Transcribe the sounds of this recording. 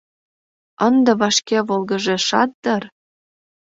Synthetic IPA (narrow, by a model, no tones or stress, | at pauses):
ənd̪ɤ̆βɑʃkeβolɣə̆ʒeʃɑt̪̚d̪ɤr